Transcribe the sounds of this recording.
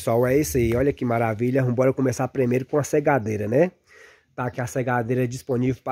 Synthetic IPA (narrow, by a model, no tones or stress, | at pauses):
sawɛisɐiɔʎɐkɪmaɾaviʎɐũbɔɾɐkõmesapɾimejɾʊkõɐseɡad̪eɾɐnɛ | t̪aːkiaseɡad̪eɾɐd͡ʒispõnivewp